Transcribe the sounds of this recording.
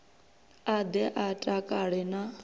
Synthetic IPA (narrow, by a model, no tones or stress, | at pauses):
ad̪ɛʔatʼakʼaɺɛna